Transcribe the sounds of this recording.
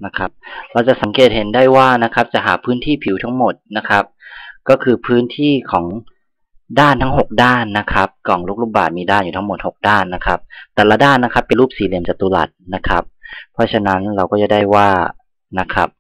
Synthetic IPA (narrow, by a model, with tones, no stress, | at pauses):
na˦˥kʰa˦˥p̚ɾa˧wt͡ɕa˨˩sa˨˦ŋkeː˨˩t̪̚he˩˦nda˥˩jwaː˥˩na˦˥kʰa˦˥p̚t͡ɕa˨ɦaː˨˦pʰɯː˦˥nt̪ʰiː˥˩pʰi˨˩˦wt̪ʰa˦˥ŋmo˨˩t̪̚na˦˥kʰa˦˥p̚kɔː˥˩kʰɯː˧pʰɯː˦˥nt̪ʰiː˥˩kʰɔː˩˦ŋ | daː˥˩nt̪ʰa˦˥ŋɦo˨˩k̚daː˥˩nːa˦˥kʰa˦˥p̚kɔː˨˩˦ŋlu˦˥k̚luː˧˩baː˨˩t̪̚miː˧daː˥˩njuː˨˩t̪ʰmo˨˩t̪̚ho˨˩k̚daː˥˩nːa˦˥kʰa˦˥p̚t̪ɛː˨˩laː˧daː˥˩nːa˧˥kʰa˦˥pːe˨luː˥˩p̚siː˨˦li˧˩əmt͡ɕa˨˩t̪uː˧˦la̰˨˩t̪̚na˦˥kʰa˦˥p̚ʰːɔ˧˥t͡ɕʰa˧na˦˥nɾa˧wkɔː˥˩t͡ɕa˨˩da˥˩jwaː˧˥˩ | na˦˧˥kʰa˦˥p̚